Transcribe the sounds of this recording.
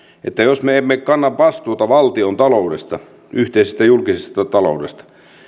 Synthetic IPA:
ʔet̪ːæjosmeemːekkɑnːɑʋʋɑst̪uot̪ɑʋɑlt̪iont̪ɑloudḛst̪ɑ | yht̪eisest̪æjulkisest̪ɑt̪ɑlo̰udḛst̪ɑ̥

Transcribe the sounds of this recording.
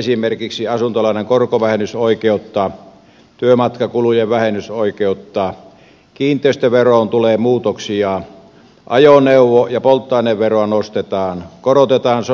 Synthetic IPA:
esimerkiksiɑsunt̪olɑˑeneŋkorkoʋæhenysoikeut̪ːɑː | t̪yømɑt̪kɑkulujeʋʋæhenːˑysoˑikeut̪ːɑː | kiːnt̪ˑeˑist̪øʋeroːnt̪uleːmuːt̪oksiɑˑ | ʔɑ̰joneˑuwˑojɑpolt̪ːˑɑˑineʋʋeroɑnost̪et̪ɑːnkorot̪et̪ɑːns

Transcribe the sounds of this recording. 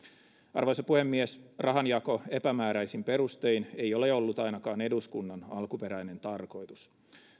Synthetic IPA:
ɑ̰rʋojsɑpuhemːiesrɑɦɑnjɑko̞e̞pæmæːɾæjsimpe̞ɾust̪einejo̞le̞o̞lːut̪ɑjnɑkɑːne̞duskunːɑnɑ̰lkupe̞ɾæjne̞nt̪ɑrko̞jt̪us

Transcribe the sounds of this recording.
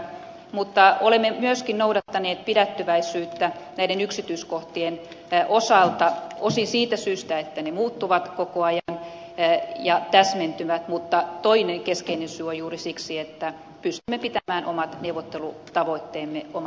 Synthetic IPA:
mut̪ːɑolemːemyøskinnoudɑt̪ːɑneːt̪̚pidæt̪ːyʋæisyːt̪ːænæiɾenyksit̪yiskoht̪ien | ʔosɑlt̪ɑosinsiːt̪æsyːst̪æet̪ːænemuːt̪ːuʋɑt̪kokoɑjɑn | jɑt̪æsment̪yʋæt̪mut̪ːɑt̪oineŋkeskeinensyːojuːrisiksiet̪ːæ | pyst̪ymːepit̪æmæːnʔo̰mɑt̪neuʋˑot̪ːelut̪ɑʋoit̪ːeːmːeomɑ

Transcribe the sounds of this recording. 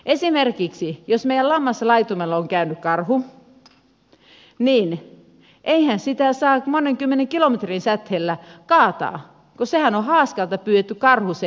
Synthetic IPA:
ʔesimerkiksijosmeijælɑmːɑsɑlɑit̪umelːɑoŋkæynykkɑrhu | niːn | ʔeihænsit̪æsɑːmoneŋkymːeneŋkilomet̪rinsæt̪helːækɑːt̪ɑ̰ː | kosehænohɑːskɑlt̪ɑpyːet̪ːykɑrhuse

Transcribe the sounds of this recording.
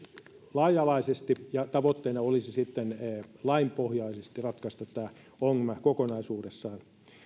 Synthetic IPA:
lɑijɑlɑisest̪ijɑt̪ɑʋot̪ːeinɑolisisit̪ːenlɑimpohjɑisest̪irɑt̪kɑst̪ɑt̪ːæː | oŋmækokonɑisuːdesːɑːn

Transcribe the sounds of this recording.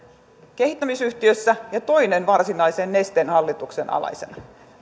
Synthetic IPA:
ke̞hit̪ːæmisyht̪iøsːæjɑt̪o̞inenʋɑrsinɑisenːe̞st̪enhɑlːit̪uksenɑ̰lɑ̰jsenɑ

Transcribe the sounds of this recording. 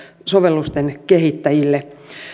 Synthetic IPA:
soʋelːust̪enkehit̪ːæjilːe

